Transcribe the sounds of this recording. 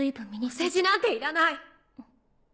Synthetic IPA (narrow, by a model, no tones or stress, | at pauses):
ɨibɯ̃mmʲiɲʲised͡ʑinãnt̪eiɾanai